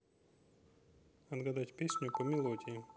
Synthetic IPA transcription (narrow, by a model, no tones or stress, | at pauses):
ɐd̪ɡɐd̪atʲpʲesʲnʲʊpəmʲɪlˠodʲɪjɪ